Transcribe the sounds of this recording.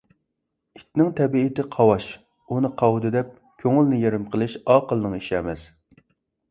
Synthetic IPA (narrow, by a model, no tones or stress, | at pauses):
it̪nɪŋt̪ʰɛbiːt̪ɪqʰɑwɑʃ | unɨqʰɑwd̪ɨd̪ɛp̚ | kʲʰøŋɪlnɪjeɾɪmqʰəlˠɨʃɑːqəlˠnɨŋiʃɛmɛs